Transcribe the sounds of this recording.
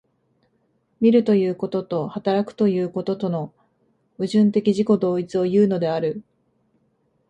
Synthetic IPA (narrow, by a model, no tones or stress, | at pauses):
mʲiɾɯ̟t̪o̞jɯ̟ːko̞t̪o̞t̪o̞hat̪aɾakɯ̟̥t̪o̞jɯ̟ːko̞t̪o̞t̪o̞no̞ | ɯ̟ʑɨ̃nt̪e̞kʲiʑiko̞d̪o̞ːit͡sɨo̞jɯ̟ːno̞d̪e̞aɾɯ̟